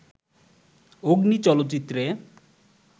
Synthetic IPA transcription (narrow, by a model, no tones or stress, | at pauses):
oɡnit͡ɕɔlot̪ːt͡ɕit̪ːɾe